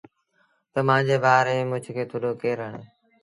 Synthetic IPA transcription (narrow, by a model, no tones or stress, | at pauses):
t̪əmãːd͡ʑeːbaːɾẽːmʊ̃d͡ʒʱkʰeːt̪ʰoːɗoːkeːɾəɳeː